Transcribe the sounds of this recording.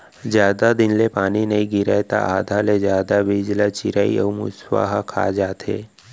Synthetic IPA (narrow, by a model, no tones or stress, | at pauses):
zjaːd̪ad̪ɪnlepaːninɐɦĩɡɪɾəet̪a̰ʔaːd̪ʱalezjaːd̪abid͡ʒlat͡ʃɪɾaːḭɔːmṵswa̰ɦakʰa̰ːd͡ʒaːt̪ɦḛː